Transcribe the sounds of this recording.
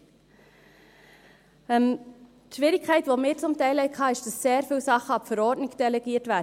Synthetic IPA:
ɛm | ʃʋɪɾɪkkʰːæɪtʋomɪːɾt͡sʊmtæɪlɛɪkʰɑːɪʃd̥ɑsseːɾfyːlsɑχəɑpfəɾɔːɾdnɪɡd̥ɛlɛɡiːtvæːd

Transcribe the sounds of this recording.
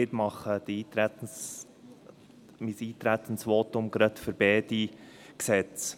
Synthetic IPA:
ɪɾmɑχədiːɾ | misiːt̪ɾæt̪ənsʋoːtʊmɡ̥ɾɑt̪fəɾb̥ɛːdi | ksɛt͡s

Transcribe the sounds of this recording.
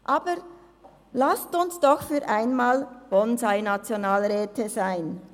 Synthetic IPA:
ʔaːbəɾ | lastʊnsd̥ɔxfyːɾʔaɪnmaːlb̥ɔnzaɪnat͡sjonaːlʁɛːtʰəzaɪn

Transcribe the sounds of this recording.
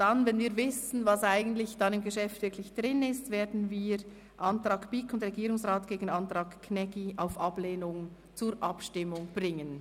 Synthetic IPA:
d̥ɑnvɛnviːɾvɪsn̩vɑsaɪɡən̩tlɪçd̥ɑnɪmɡəʃɛftvɪɐkʰlɪçd̥ʁɪnɪstveːɐdn̩viːɾ | ʔɑntɾɑːkb̥ikʰʊndʁɛɡiːɾʊŋsʁɑːtɡ̥eːɡn̩ɑntʁɑːkkʰnɛɡiaʊfʔɑbleːnʊŋ | t͡suɾʔɑpʃtɪmʊŋb̥rɪŋən

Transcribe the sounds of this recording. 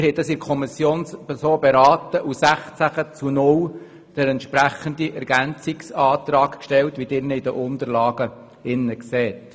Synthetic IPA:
ɾɦhɛdɑsɪɾkʰɔmisjoːnspɛɾsoːbɛɾɑːt̪əʔusæχt͡sæχət͡sunʊl | d̥əɾɛnt̪ʃpɾæχənd̪iʔɛɾɡ̥ænt͡sɪksɑːt̪ɾɑːkkʃtɛltʋid̥ɪrnəid̥əʔʊnd̪əɾlɑːɡ̥ə | ɪnːəksɛːt

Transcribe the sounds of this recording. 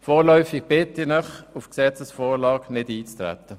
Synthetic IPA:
fɔːɾlœʏfɪɡ̥̚b̥ɪt̪ɪnəχufksɛt͡səsfɔːɾlɑːɡnɪdiːt͡st̪ɾæ̰t̪ːə

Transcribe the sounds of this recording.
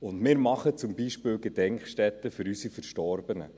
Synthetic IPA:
ʊndmɪːɾmɑχət͡sʊmbiʃpɪːlɡedɛŋkχʃtɛt̪ːəfʏɾysifəɾʃtɔɾbənə̰

